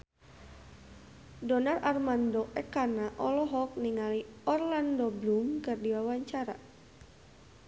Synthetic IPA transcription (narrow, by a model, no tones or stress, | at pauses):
dɔnararmandɔʔɛkanaʔɔlɔɦɔk̚niŋaliɔrlandɔblumkɨrdiwawaɲt͡ʃaɾa